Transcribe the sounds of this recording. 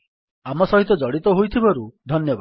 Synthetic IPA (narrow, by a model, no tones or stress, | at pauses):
amɔsɔɦit̪ɔd͡ʒɔɽit̪ɔɦojt̪ʰibɔɾud̪ʱɔnjɔba